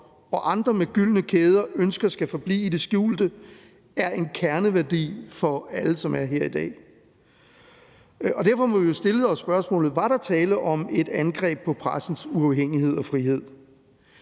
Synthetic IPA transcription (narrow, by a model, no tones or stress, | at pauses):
ɒ̽ʔɑ̈nd̥ʁɐmeɡ̥yl̰nəkʰeːð̞ˠɐønsɡ̥ɐsɡ̥æfɒ̽b̥lḭːid̥e̝sɡ̥juːld̥ə | æɐe̝nkʰæɐnəʋæɐd̥ḭːfɒ̽æləsɒ̽mæɐɦe̝ɐ̰id̥ɛ̰ː | ɒ̽d̥æɐfɒ̽mɒʋijo̝sd̥e̝ləð̩ˠɒsːb̥ɶɐsmɔ̰̽ːlð̩ˠʋɑ̈ɾ̥ɑ̈t͡sʰɛːləʔɒ̽me̝d̥ænɡ̥ʁɛ̰ːb̥̚pʰɒ̽pʰʁasn̩suɑ̈ʊɦeŋ̰ihe̝ð̞̰ˠɒ̽fʁihe̝ð̰ˠ